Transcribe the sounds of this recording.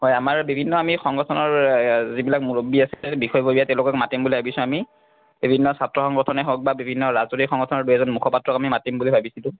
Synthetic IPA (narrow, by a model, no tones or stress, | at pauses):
ɦɔjamaɹbibʱinːɔamixɔŋɡɔtʰɔnɔɹzibilakmulobiasibixɔjbobijatɛʊ̃lʊkɔkmatimbulibʱabisʊ̃ami | bibʱinːɔsatɹɔxɔŋɡɔtʰɔnɛɦɔk̚babibʱinːɔɹazoɹixɔŋɡɔtʰɔnɔɹduɦɛzɔnmukʰɔpatːɹɔkamimatimbulibʱabisilʊ̃